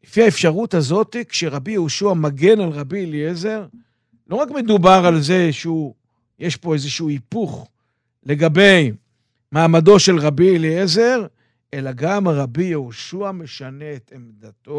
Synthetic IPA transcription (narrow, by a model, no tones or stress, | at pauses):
lefiaefʃaʁutazo̞tikʃeʁabijehoʃuamaɡe̞nalʁabilieze̞ʁ | lo̞ʁakme̞d̪ubaʁalze̞ʃeu | jeʃpo̞ezeʃuuipuχ | le̞ɡabe̞j | maːmado̞ʃe̞lʁabiliezeʁ | ʔe̞laɡamaʁabijehoʃuame̞ʃane̞etemdato